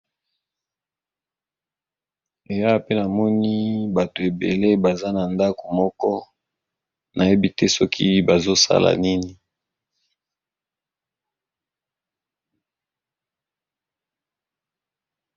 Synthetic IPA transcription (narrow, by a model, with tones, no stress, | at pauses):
e˨ja˦˨pe˦na˨mɔ˦ni˦ba˨to˨e˨bḛ˨le˦ba˨za˦na˨nda˦ko˨mɔ˦kɔ˦ | na˨je˦bi˦te˦sɔ˦kʰi˦ba˨zo˦sa̰˦la̰˨ni˦ni˨